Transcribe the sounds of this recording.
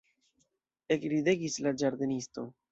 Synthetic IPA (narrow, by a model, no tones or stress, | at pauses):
e̞kɾide̞ɡislad͡ʒaɾd̪e̞nisto̞